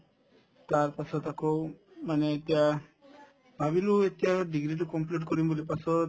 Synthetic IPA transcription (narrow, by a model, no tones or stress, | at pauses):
t̪aɾpasɔt̪akow | maneet̪ia | bʱabiluet̪iaɖiɡɾiʈukɔmpliʈkɔɾimbolipasɔ